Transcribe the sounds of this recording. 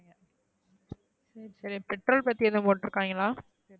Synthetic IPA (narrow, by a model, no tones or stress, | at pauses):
ɡɐ | sɐɾisɐɾipɛʈːɾoːlpɐt̪ːiɛðɐ̃poːʈːɪɾɯkːaːŋɡɐlaː